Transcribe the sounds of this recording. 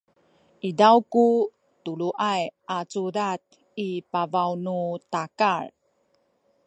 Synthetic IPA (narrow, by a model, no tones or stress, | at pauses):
ʔidawku | tuɭuʔajʔat͡suɾat̪̚ | ipavawnutakar